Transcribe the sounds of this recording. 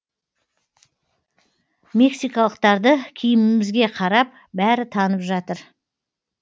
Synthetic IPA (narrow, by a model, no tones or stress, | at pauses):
mʲe̞ksijkɑlˠəq̚t̪ɑɾd̪əkʲʰijɪmɪɪmɪzɡʲe̞qʰɑɾɑp̚ | bæɾɪt̪ʰɑnəpʒɑt̪əɾ